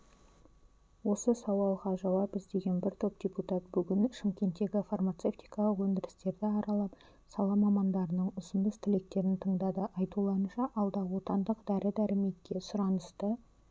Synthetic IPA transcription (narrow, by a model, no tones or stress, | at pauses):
wo̞səsɑwɑlˠʁɑʒɑwɑbəzd̪e̞ɡʲe̞nbɪɾt̪ʰopdʲeput̪ɑt̪̚bʏɡʲɪnʃɪmkʲe̞nt̪ːe̞ɡʲɪfarmat̪se̞ft̪ʲijkɑlˠəqwɵnd̪ɪɾɪst̪e̞ɾd̪ɪɑɾʔɑlˠɑp | sɑlˠɑmɑmɑnd̪ɑɾənəɴʊzənd̪əst̪ʰɪle̞k̚t̪e̞ɾɪnt̪ʰəɴd̪ɑd̪əʔɑjt̪ulˠɑənʃɑʔɑlˠd̪ɑwo̞t̪ɑnd̪əqd̪æɾʔɪd̪æɾɪme̞t̪kʲe̞sʊɾɑnəst̪ə